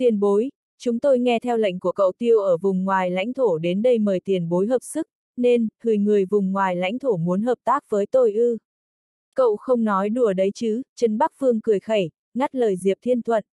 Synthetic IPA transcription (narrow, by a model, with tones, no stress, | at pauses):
t̪i˧˩ənɓo˨˦j | t͡ɕʊ˨˦ŋ͡mt̪o˧jŋɛ˧t̪ʰɛ˧wlə̰˧˨ŋ̟ku˧˩əkə̰˧˨wt̪i˧əwʔəː˧˩vʊ˨˩ŋ͡mŋwaː˨˩jla̰˧˥jŋ̟t̪ʰo˧˩ɗe˨˦nɗə˧jməː˨˩jt̪i˨˩ənɓo˨˦jɦəː˨˩p̚sɨ˦˥k̚ | ne˧nt̪ʰɨ˨˩jŋɨ˨˩əjvʊ˨˩ŋ͡mŋwaː˨˩jla̰˧˥jŋ̟t̪ʰo˧˩mu˨˦ənɦəː˨˩p̚t̪aː˦˥k̚v̥əː˨˦jt̪o˧jʔɨ˧ | kə̰˧˨wxə˧wŋ͡mnɔ˨˦jɗu˧˩əɗə˨˦jt͡ɕɨ˨˦t͡ɕə˧nɓa˦˥k̚fɨ˧əŋkɨ˧˩əjxə˧˩j | ŋa˦˥t̚ləː˨˩jzi˨˩əp̚t̪ʰi˧ənt̪ʰwə̰˧˨nʔ